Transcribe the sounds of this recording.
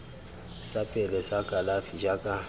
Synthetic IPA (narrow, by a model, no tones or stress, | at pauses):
sapʼɛlɛsakʼalafid͡ʒakʼa